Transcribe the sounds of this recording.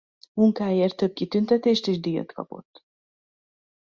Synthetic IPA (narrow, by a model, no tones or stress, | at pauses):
muŋkaːjeːrt̪ːøb̚kit̪ynt̪ɛt̪eːʃt̪eːʒd̪ijø̰t̪kɒ̰po̞̰t̪ː